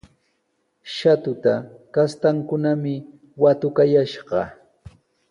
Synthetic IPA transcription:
ʃat̪ʊt̪akast̪aŋkʊnamɪ | wat̪ʊkajaʃɢɑ

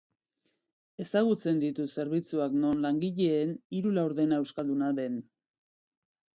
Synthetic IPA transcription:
e̞saɣ̞ut͡se̞nd̪it̪use̞ɾβ̞it͡suakno̞nlaŋɡiʎe̞ːniɾulawɾðe̞naewskald̪unaðe̞n

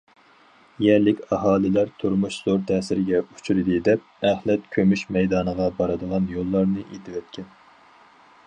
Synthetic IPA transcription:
jɛɾlɪkʲɑɦɑːlɪlæɾt̪ʰuɾmuʃz̥oɾt̪ʰɛːsɪɾɪɡʲɛu̥t͡ʃʰyɾɨd̪ɨd̪ɛp̚æhlɛt̪kʲʰømyʃmɛjd̪ɑːnəʁɑbɑɾɨd̪əʁɑnjolˠːɑɾnɨʔet̪ʰɪwɛt̪̚kʲʰɛn

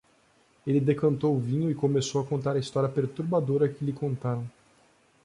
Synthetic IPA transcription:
elɪd̪ekɐ̃nt̪owʊvĩɲʊɪkomesowɐkõnt̪aɾɐist̪ɔɾiɐpeɾt̪uɾbad̪oɾɐkɪlɪkõnt̪aɾɐ̃w̃

